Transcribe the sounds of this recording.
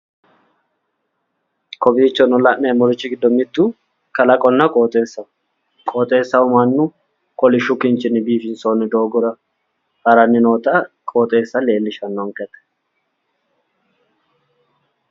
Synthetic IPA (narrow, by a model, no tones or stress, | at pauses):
kʰɔbiːt͡ʃːɔnɔlɐʔneːmɔɾɪt͡ʃːɪɡɪd̪ːɔmɪd̪ːu | kɐlɐkʼɔnːɐkʼoːt̪ʼeːsːɐ | kʼoːt̪ʼe̞ːsːɐʊmɐnːʊ | kʼɔlɪʃʊkɪnt͡ʃɪnːɪbiːfɪnsoːnːɪd̪oːɡʊɾɐ | hɐɾɐnːɪno̞ːt̪ɐkʼoːt̪ʼe̞ːsːɐle̞ːlːɪʃɐnːɔŋkɛt̪ɛ̥